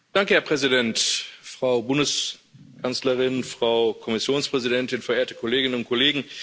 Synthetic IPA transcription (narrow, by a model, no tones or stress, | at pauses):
d̥aŋkəhɛɐpʁ̥ɛzidɛntfʁ̥aʊbʊndəs | kʰant͡sləʁɪnfʁ̥aʊkʰɔmɪsjoːnspʁ̥ɛzidɛntɪnfɛɐʔeːɐtə̥kʰɔleːɡɪnənʊnt̚kʰɔleːɡŋ̩